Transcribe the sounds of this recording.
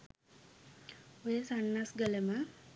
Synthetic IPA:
ojəsanːasɡələmə

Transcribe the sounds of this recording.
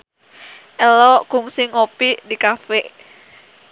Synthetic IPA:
ʔɛlɔkʊŋsɪŋopidikafɛʔ

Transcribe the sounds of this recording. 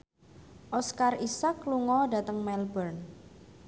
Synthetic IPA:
ʔɔskarisakluŋɔda̤t̪əŋmɛlbərn

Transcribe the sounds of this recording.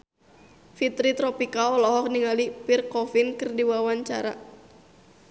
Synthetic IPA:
fit̪ɾit̪ɾɔpikaɔlɔɦɔk̚niŋalipirkɔfinkɨrdiwawaɲt͡ʃaɾa̰

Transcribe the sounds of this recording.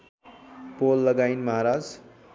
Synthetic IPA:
polːʌɡajnmʌɦaɾad͡z

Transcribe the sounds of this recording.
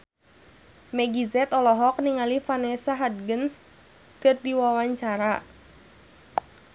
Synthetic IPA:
mɛɡizɛt̪ɔlɔɦɔk̚niŋalifanɛsaɦad̪̚ɡəns | kɨrdiwawaɲt͡ʃaɾa

